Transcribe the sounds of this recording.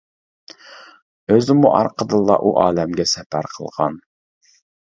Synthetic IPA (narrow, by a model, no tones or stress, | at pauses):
øzɪmuʔɑ̰ɾqʰəd̪ɨlˠːɑ̰ʔuʔɑːlɛmɡʲɛsɛpæɾqʰəlˠʁɑ̰n